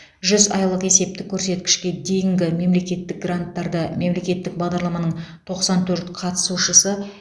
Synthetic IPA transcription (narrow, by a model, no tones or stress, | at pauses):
ʒʏzɑ̰jlˠəqe̞se̞p̚t̪ɪkʲʰːɵɾse̞t̪kʲɪ̥ʃkʲe̞d̪e̞jɪŋɡʲɪme̞mle̞kʲe̞t̪ːɪk̚ɡrant̪ːɑɾd̪əme̞mle̞kʲe̞t̪ːɪk̚bɑʁd̪ɑɾlˠɑmɑnəɴt̪ʰo̞qsɑnt̪ʰɵɾt̪qʰɑt̪ə̥suʃəsə